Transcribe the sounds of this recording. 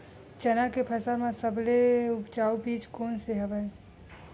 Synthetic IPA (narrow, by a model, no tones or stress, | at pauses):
t͡ʃɛnakepʰəsəɾmẽsəbleubd͡ʒaubiːt͡ʃkoːnseɦəbə